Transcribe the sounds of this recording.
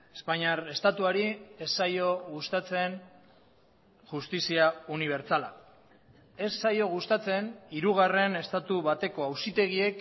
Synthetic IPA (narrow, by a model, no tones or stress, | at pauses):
espaɲaɾe̞st̪at̪uaɾie̞sːajo̞ɣust̪at͡se̞n | ʝust̪isiauniβ̞e̞ɾt͡sala | e̞sːajo̞ɣ̞ust̪at͡se̞niɾuɣ̞are̞ne̞st̪at̪uβat̪e̞ko̞awsit̪e̞ɣ̞ie̞k